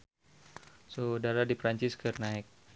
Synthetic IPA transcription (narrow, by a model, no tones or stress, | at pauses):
sodaɾadipɾaɲt͡ʃɪskɨrnaɪk̚